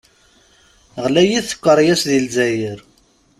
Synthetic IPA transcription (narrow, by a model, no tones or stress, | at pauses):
ʁlæjiθə̥kʷːəɾˤjæsðilzæjəɾ